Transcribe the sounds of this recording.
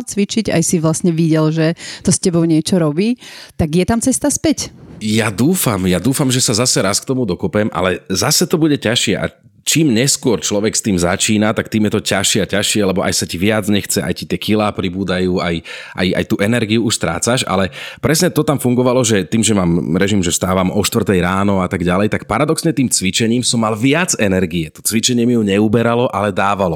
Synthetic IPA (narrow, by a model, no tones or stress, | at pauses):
t͡sʋit͡ʃiɟa̰jsiʋlasɲɛʋiɟɛlʒɛt̪ɔscɛbɔʊɲɪɛt͡ʃɔɾɔbiːt̪aɡjɛt̪amt͡sɛst̪aspɛcjad̪uːfamjad̪uːfamʒɛsazasɛɾaskt̪ɔmud̪ɔkɔpɛmʔa̰lɛzasɛt̪ɔbuɟɛcaʃɪɛʔa̰ | t͡ʃiːmɲɛskʊɔɾt͡ʃlɔʋɛkst̪iːmza̰t͡ʃiːnat̪akt̪iːmjɛt̪ɔcaʃɪɛacaʃɪɛlɛbɔʔa̰jsaciʋɪad͡zɲɛxt͡sɛʔa̰jcit̪ɪɛkilaːpɾibuːd̪ajuːajʔa̰ja̰jt̪uʔɛnɛɾɡiuuʃst̪ɾa̰ːt͡saʃa̰lɛpɾɛsɲɛt̪ɔt̪amfuŋɡɔʋalɔʒɛt̪iːmʒɛmaːmɾɛʒimʒɛst̪aːʋamɔʃt̪vr̩t̪ɛjɾaːnɔat̪aɡɟalɛjt̪akpaɾad̪ɔksɲɛt̪iːmt͡sʋit͡ʃɛɲiːmsɔmːalʋɪad͡zɛnɛɾɡiɛt̪ɔ̥t͡sʋit͡ʃɛɲɪɛmijuɲɛubɛɾalɔʔalɛd̪aːʋalɔ